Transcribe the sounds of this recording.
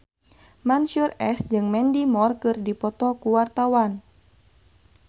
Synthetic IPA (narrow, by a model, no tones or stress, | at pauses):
mansurɛsd͡ʒɨŋmɛndimɔrkɨrdipɔt̪ɔkuwart̪awan